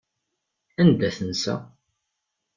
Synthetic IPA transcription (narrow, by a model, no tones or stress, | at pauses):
ænd̪æθənsæ̰